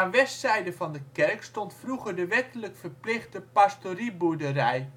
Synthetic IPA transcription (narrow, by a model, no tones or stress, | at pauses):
aːnʋɛstsɛjdəvɑndəkɛɹkstɔntfruχəɹdəʋɛtələkfəɹplɪχdəpastoribudərɛj